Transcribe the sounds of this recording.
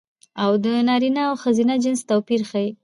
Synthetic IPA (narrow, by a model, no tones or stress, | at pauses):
awd̪ənɑɾinaːwxəzinad͡ʒɪnst̪awpiɾxaji